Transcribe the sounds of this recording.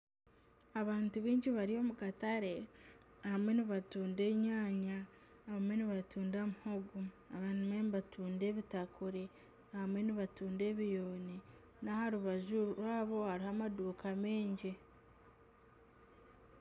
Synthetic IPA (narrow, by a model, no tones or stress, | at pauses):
aβaːntuβiːɲɟiβaɾio̞ːmukataɾe̞ | ahamwe̞niβatuːnde̞ːɲaːɲaː | hamwe̞niβatʰuːndamuhoɡu | aβanimeniβatʰuːnde̞ːβitakuɾe | hamwe̞niβatuːnde̞ːβijo̞ːne | nahaɾuβaʒuɾwaːβo̞haɾihamaduːkʰame̞ːɲɟi